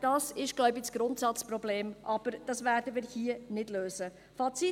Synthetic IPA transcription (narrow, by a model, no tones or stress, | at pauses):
d̥ɑsɪʃɡ̥lɔʊbisɡ̥ɾʊntsɑt͡spɾɔbleːmʔɑb̥əɾd̥ɑsʋæːɾdəmiːɾhiːənɪdløːzə | fɑt͡si